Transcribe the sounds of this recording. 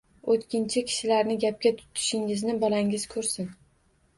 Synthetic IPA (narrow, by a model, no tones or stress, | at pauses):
ot̪kʲɪnt͡ʃʰɪkʲʰɪ̥ʃɪlaɾnɪɡʲap̚kʲat̪ʰʊ̥t̪ʰɪ̥ʃɪŋɪznɪbɒlaŋɪz̥kʰɵɾsɪn